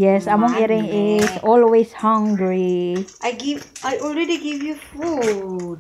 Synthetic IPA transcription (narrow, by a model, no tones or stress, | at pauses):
jɛsamɔ̃ŋɛɾɪ̃ŋɪsɔlweshãŋɡɹiʔajɡivajʔɔlɾɛdiɡivjufud